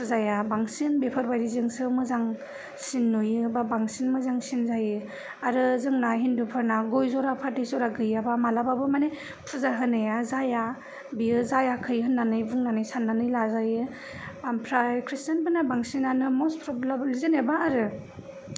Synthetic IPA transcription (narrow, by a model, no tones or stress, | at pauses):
pʰɯzajabaŋsinbepʰɯɾbajɾizɯŋsɯmɯzaŋ | sinːujɯbabaŋsinmɯzaŋsinzajɯ | aɾɯzɯŋnaɦindupʰɯɾnaɡojzɔɾapʰatdizɔɾaɡɯjabamalababɯmane | pʰɯzaɦɯnajazaja | biɯzajakʰɯjɦɯnːanɯjbuŋnanɯjsanːanɯjlazajɯ | ampʰɾajkʰɾistanbʰɯnabaŋsinanɯmɔspʰɾɔblablizɯnebaːɾɯ